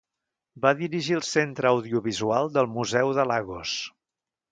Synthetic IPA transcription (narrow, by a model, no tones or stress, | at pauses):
baðiɾiʒiəlˠsent̪ɾəːwðiuβizualˠd̪əlˠmuzɛwðəlaɣos